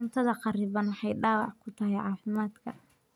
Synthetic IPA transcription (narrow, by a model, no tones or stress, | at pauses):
nt̪ʰɐðɐqɑrɪβɐnwɑħɑjɖɑːwɑʕkʰʊt̪ʰɐɦɛjʕɑːfɪmaːd̪kʰɐ